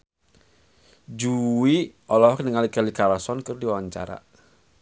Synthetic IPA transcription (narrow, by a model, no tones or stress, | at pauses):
d͡ʒuwiɔlɔɦɔknəŋalikəlikalasɔnkɨrdiwawaɲt͡ʃa̰ɾa̰